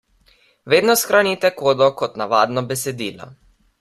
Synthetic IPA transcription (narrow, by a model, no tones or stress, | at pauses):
ʋeːd̪nɔsxɾanit̪ɛkoːd̪ɔkɔt̪naʋaːd̪nɔbɛsɛd̪iːlɔ̰